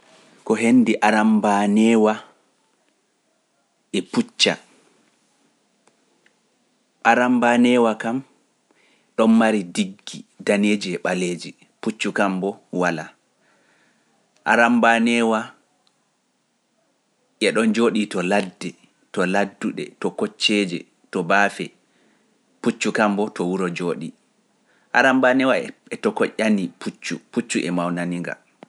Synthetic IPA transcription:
kɔɦenːdiʔaɾambanɛwa | ʔɛput͡ʃːa̰ | ʔaɾambanɛːwakam | ɗɔnmaɾidiɡːidaned͡ʒiɛɓaleːd͡ʒi | put͡ʃːukambɔwala | ʔaɾambanɛwa | ʔɛɗɔnd͡ʒoːɗitɔladːɛ | tɔladːuɗɛ̰tɔkɔt͡ʃːɛd͡ʒɛ̰ | tɔbaːfɛ | put͡ʃːukambɔtɔwuɾɔd͡ʒoːɗi | ʔaɾambanɛwaɛtɔkɔʔʲanipʰut͡ʃːuput͡ʃːuʔɛmawnaniŋɡa̰

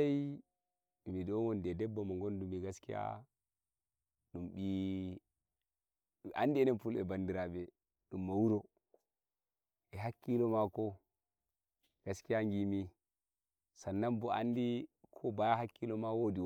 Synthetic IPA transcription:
aj | midɔwɔndɛdɛbːamaŋɡondumiɡaskia̰ | ɗumɓi | andiɛnɛnfulɛ̰bandiɾabɛ | ɗumːawuɾo | ɛɦakːilɔmakɔ | ɡ̥askijaŋɡimi | sanːambɔʔa̰ndikʰɔbajahakːilɔmawodiw

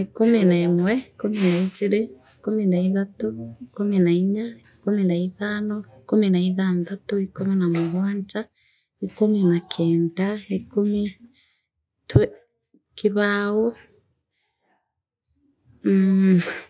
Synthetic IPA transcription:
ikuminaemwɛikominait͡ʃiɾeikominaiðatuikominaiɲaikuminaiðaːnɔikominaiðanðatuikominamoɣwaːɲt͡ʃa | ikominakʰɛːndaikomi | twɛ | kiβaːwo

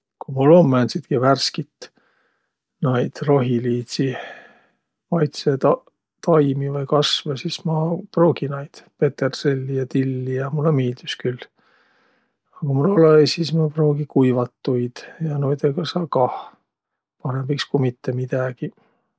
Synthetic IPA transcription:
kumulːo̞mːæːnsid̪̥kiværskit̪ | nɑjd̪̥ro̞ɦiliːt̪si | mɑjt̪se | t̪ɑjmivɑjkɑsvesismɑpro̞ːɡ̥inɑjd̪̥pe̞t̪erselʲːijɑt̪ilːijɑmulːemiːld̪̥yskyl | ɑkumulolesismɑpro̞ːɡ̥ikujvɑt̪ːujd̪̥jɑnojd̪eɡ̥ɑsɑːkɑh | pɑɾemb̥ikskumit̪ːemid̪̥ɑɡ̥i

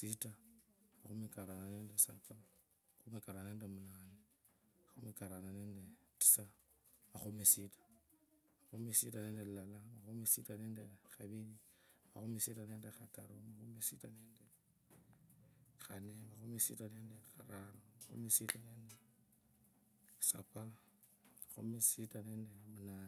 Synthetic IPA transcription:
sitamaxumekaɾananeːndesa̰ta | axumekaɾaneːndemunaːne | axumekaɾananeːndeti̥sa | maxumesitḁ | maxumesitʼaneːndellalamaxumesitaneːndexaβilimaxumesitaneːndexata̰ɾomaxumesitaneːnde | xanemaxumisḭtaneːndexaɾanomaxṵmesitaneːnde | sa̰pa | maxṵmesitaneːndemunaːni

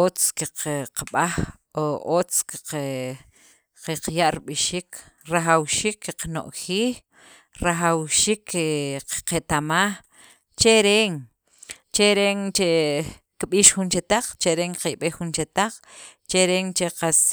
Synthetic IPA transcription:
ot͡skiqqaɓax | oot͡skiq | qeqjaʔɾiɓiʃiːk | ɾaxawʃiːkʰːiqno̰ʔxiːx | ɾaxawʃiːkːeqqet̪amax | t͡ʃeɾeːŋ | t͡ʃeɾeŋt͡ʃe | kɓiːʃxunt͡ʃet̪aq͡χt͡ʃeɾeŋqajɓexunt͡ʃet̪aq͡χ | t͡ʃeɾeːŋt͡ʃeqas

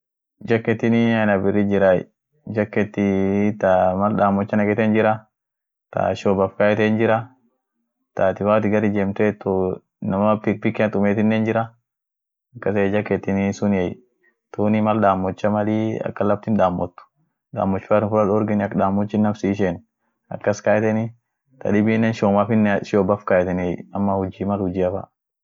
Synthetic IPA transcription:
d͡ʒɐkːɛt̪ːɪnɪɐnɐbɪɾːɪd͡ʒɪɾa̰ | d͡ʒɐkːɛt̪ːɪt̪amɐlɗaːmːɔt͡ʃːɐnɐɡɛt̪ɛnd͡ʒɪɾɐ | t̪a̰ʃobɐfkajɛt̪eːnd͡ʒɪɾɐ | t̪aːt̪ɪwaːt̪ɪɡɐɾɪd͡ʒɛmt̪ɛt̪ːɔ | nɐmɐpɪk̚pɪkːɛɐt̪ʊmeːt̪ɪnːeːnd͡ʒɪɾɐ | ɐkːɐseːd͡ʒɐkeːt̪ːɪnɪsʊnɛj | t̪uːnɪmɐlɗ̪aːmːɔt͡ʃːɐmɐliɐ̰kːɐlɐb̚t̪ɪnᶑaːmːɔt̪ːʊ̥ | ᶑ̪a̰ːmːɔt͡ʃːaːt̪ɪnfʊlɐdɔɾɡɪnɐkᶑaːmːɔt͡ʃːɪnːɐfsiːʃ̬en | ɐ̰kːɐskaːjt̪ɛnɪ | t̪ʰɐ̰ᶑɪbiːnːeːnʃoːmɐfɪnːʃoːbɐfkaːjɛt̪ɛnɛjɐmːɐhʊd͡ʒːimɐlhʊd͡ʒɪɐfɐ̰

